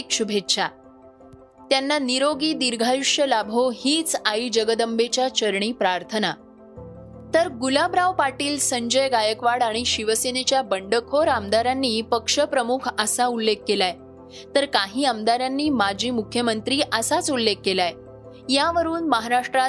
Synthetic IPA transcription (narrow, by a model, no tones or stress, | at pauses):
kʂɕubʱetɕʰa | t̪janːaniɾoɡiːd̪iɾɡʱajuʂjəlabʱohiːt͡saiːd͡ʑəɡəd̪əmbet͡ɕjat͡ɕəɾɳiːpɾaɾt̪ʰəna | t̪əɾɡulabɾaʋpaʈiːlsəɲd͡ʑəjɡajəkʋaɽaɽ̃iɕiʋəsenet͡ɕjabəɳɖəkʰoɾamd̪aɾanːiːpəkʂəpɾəmukʰəsaulːekːelaj | t̪əɾkaɦiːamd̪aɾjanːiːmad͡ʑʱiːmukʰjəmənt̪ɾiːʔəsat͡sulːekːelaj | jaʋəɾuːnməɦaɾaʂʈɾa